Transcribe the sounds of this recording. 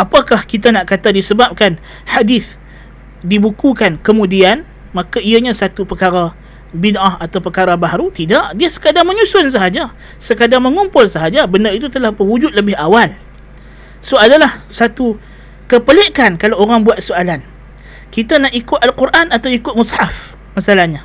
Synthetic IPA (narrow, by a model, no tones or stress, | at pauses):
ʔapakahkit̪anaʔkat̪adisəbap̚kan | hadiθ | dibukukankəmũdian | mãkaiaɲãsat̪upəkaɾa | binʔahat̪awpəkaɾabaɦaɾut̪idaʔdiasə̥kadaŋmə̃ɲusʊns̬əɦad͡ʒa | səkadaŋməŋumpʊlsəɦad͡ʒabənarit̪̬ut̪əlahbəwud͡ʒʊt̪̚ləbɪhawal | soadalahsat̪u | kəpəleʔkankalawoɾaŋbuat̪̚soalan | kit̪anaʔikʊt̪alquɾʔanat̪awikʊt̪̚musħaf | masalahɲa